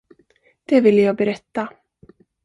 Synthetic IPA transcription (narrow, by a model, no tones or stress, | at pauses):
d̪̥ɛvɪlːəjɑːɡ̚bɛɾɛt̪ːa